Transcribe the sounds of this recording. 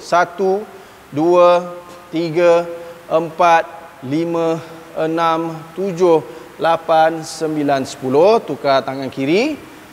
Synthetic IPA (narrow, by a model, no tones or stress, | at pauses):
sat̪u | duə | t̪iɡəəmpat̪̚ | limə̃ənãmt̪ud͡ʒʊh | lapansəmbilansə̥pulʊht̪ukat̪aŋankiɾi